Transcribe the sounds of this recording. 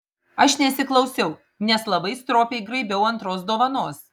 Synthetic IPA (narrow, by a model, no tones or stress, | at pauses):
ɐʃnʲɛsʲɪklˠɐʊsʲɛʊ | nʲɛslˠɐbɐɪst̪ɾoːpʲɛɪɡɾɐɪbʲɛʊɐnt̪ɾoːsd̪oːʋɐnoːs